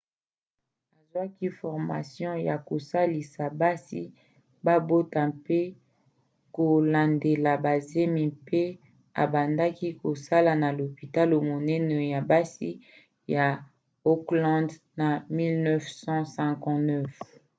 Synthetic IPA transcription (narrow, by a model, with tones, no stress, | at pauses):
a˨zwa˦ki˦fɔ˨ʁma̰˨sjɔ̃˦ja˨ko˨sa˦li˨sa˨ba˦sḭ˦ | ba˦bo˦ta˨pe˦ | ko˨la˨nde˨la˨ba˨ze˦mi˨pe˦ | a̰˨ba˨nda˦ki˦ko˨sa˦la˨na˨lo˨pi˨ta˦lo˨mo˨nɛ˦nɛ˨ja˨ba˦si˦ | ja˨ | o˦klɔ̃˦d | na˨mi˦lnɛ˦fsɑ̃˦sɛ̃˨kɔ̃˦˨nɛ˦f